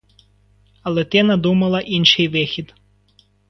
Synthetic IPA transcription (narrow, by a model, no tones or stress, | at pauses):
ɐlˠɛt̪ɪnɐd̪umɐlˠɐʔinʃɪjʋɪxʲid̪